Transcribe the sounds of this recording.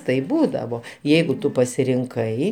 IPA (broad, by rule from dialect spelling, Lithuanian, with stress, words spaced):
tɐɪp ˈbuːdɐʋoː ˈjɛɪɡʊ ˈtʊ pɐsʲɪrʲɪŋˈkɐɪ